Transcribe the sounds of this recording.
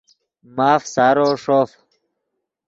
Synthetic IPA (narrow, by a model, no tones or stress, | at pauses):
maːfsaːɾoːʂoːf